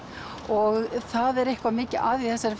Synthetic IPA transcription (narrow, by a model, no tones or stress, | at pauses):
ɔɣθaðɛɾɛhkvamɪːcɪaːðiθɛsːaɾɪf